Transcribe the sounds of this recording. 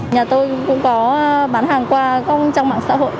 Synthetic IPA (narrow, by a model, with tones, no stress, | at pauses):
ɲaː˨˩t̪o˧jkʊ̰˧˥ŋ͡mkɔ˨˦ɓaː˨˦nɦaː˨˩ŋkwaː˧kə˧wŋ͡mt͡ɕa˧wŋ͡mma̰ː˧˨ŋsa̰ː˧˥ɦo̰˧˨j